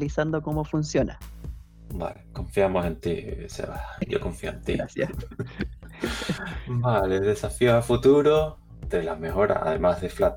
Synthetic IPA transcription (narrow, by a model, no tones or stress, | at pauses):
lisand̪okomofunsjonʔa̰ | ba̰lekõ̞ɱfjamosẽ̞nt̪isḛβaɟ͡ʝo̰kõɱfioḛ̃nt̪ḭasjas | baleðe̞safiosafut̪uɾo | d̪elazme̞xo̞ɾa̰sa̰ðe̞̰mazðeflat̪